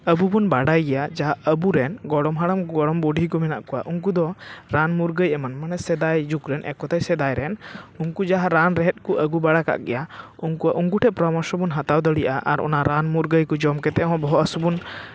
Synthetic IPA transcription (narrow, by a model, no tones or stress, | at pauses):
əbubunbaɽajɡɛjad͡ʒaɦaʔʔəbuɾɛnɡɔɽɔmɦaɽamɡɔɽɔmbɔɖʱikɔmɛnaʔkɔwa̰ʔuŋkud̪ɔɾanmuɾɡəjɛmanmanɛsɛd̪ajd͡ʒukɾɛnʔɛ̰kɔt̪ajsɛd̪ajɾɛnuŋkud͡ʒaɦaɾanɾɛɦɛt̪̚ˀkuʔəɡubaɽaka̰ʔɡɛ̰jauŋkuaʔuŋkuʈʰɛpɾɔmasɔbunɦat̪awd̪əɽijʔaʔa̰ɾɔ̰naɾanmuɾɡəjkɔd͡ʒɔmkɛt̪ɛʔɦɔ̃bɔɦɔʔasɔbun